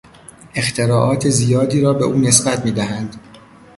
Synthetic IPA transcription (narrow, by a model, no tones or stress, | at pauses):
ʔe̞xt̪ʰe̞ɾɒːʔɒːt̪ʰe̞zijɒːd̪iːɾɒːbe̞ʔuːne̞sbæt̪miːd̪æɦænd̪̥